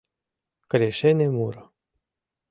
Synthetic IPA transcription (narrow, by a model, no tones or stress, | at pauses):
kɾeʃenʲemuɾo